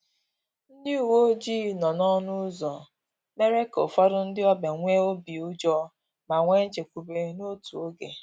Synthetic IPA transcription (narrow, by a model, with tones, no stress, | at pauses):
n̩˦dɪ˦u˨wo˦d͡ʒiː˦˨nɔ˨nɔ˦nʊ˦zɔ˨ | me˦ɾe˦ko̰˨fɔ˦ɾʊ˦n̩˦dɪ˦ɔ˦be˨ŋʷe˦o˦bi˨u˦d͡ʒɔ˦ | ma˨ŋʷe˦n̩˦t͡ʃe˨kʷu˨be˨no˦tu˨o˦ɡḛ˨